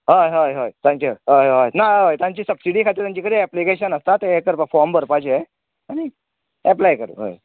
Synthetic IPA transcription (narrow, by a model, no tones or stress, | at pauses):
ɦojɦojɦojt̪ãɲkuɦojojnaɦojt̪jãɲt͡ɕiːsəbsiɽiːkʰat̪iɾt̪jaɲt͡ɕikəɽiɛplikeɕənəst̪at̪eɦekəɾpəfɔɾmbʱəɾpad͡ʑee | añi | ɛplajkəɾ̰ɦo̰j